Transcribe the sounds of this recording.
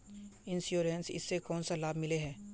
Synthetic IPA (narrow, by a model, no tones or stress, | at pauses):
ɪnsjuːɾẽnsɪ̰sːekɔːnsalaːbmɪleɦɛː